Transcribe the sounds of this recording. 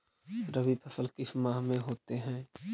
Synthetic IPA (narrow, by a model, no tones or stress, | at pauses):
ɾəbipʰɐsəlkɪsmaɦmẽɦoːt̪eɦɛ̃ː